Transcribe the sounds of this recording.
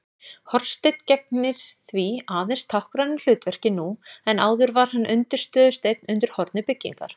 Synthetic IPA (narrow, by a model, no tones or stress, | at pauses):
hɔɾst̪ejt̪cɛk̚nɪɾ̥θviaːðɛnst̪ʰawhkɾanɪl̥ʏːt̪vɛr̥cɪnuɛnaːwðʏɾvaɾ̥hanːʔʏnt̪ɪɾ̥st̪œːðʏst̪ejt̪nʏnt̪ɪɾ̥hɔɾt̪nɪpɪcːḭŋka̰ɾ̥